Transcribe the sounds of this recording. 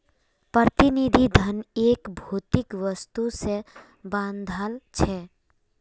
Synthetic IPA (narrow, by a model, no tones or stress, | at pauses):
pɾət̪ɪnid̪ʱid̪ʱəneːkbʱuːt̪ɪkʋəst̪use | bãːnd̪ʱalt͡ʃʰɛ